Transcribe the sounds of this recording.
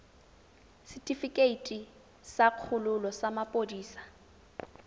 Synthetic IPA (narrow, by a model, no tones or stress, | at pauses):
sitʼifikʼeitʼi | saq͡χʰʊlʊlɔsamapʼodiːsḁ